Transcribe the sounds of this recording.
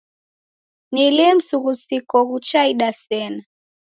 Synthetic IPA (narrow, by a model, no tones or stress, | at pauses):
nilɛm̩suɣusikɔɣut͡ʃaiɗasɛna